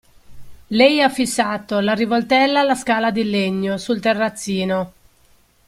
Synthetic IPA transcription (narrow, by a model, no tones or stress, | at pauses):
lɛjafːisːaːt̪olarivolt̪ɛlːaːlːaskaːlad̪ilːeɲːosult̪erːat̪sːiːno